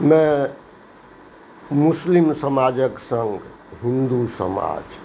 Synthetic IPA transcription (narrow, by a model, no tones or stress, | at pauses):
mɛ̃ | muslimsəmad͡ʒəksə̃ŋɡ | ɦĩnd̪usə̰ma̰d͡ʒ